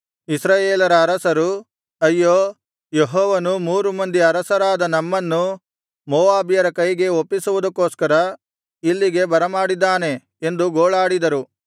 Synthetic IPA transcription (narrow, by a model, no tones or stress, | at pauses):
isɾaːjeːlɐɾɐːɾɐsɐɾu | ɐjːoː | jeɦoːʋɐnumuːɾumɐnd̪iɐɾɐsɐɾaːd̪ɐnɐmːɐnːu | moːʋaːbijɐɾɐkɐjɡe̞opːisuʋud̪ɐkːoːskɐɾɐ | ilːiɡe̞bɐɾɐmaːɽid̪ːaːne̞ | end̪uɡoːɭaːɽid̪ɐɾu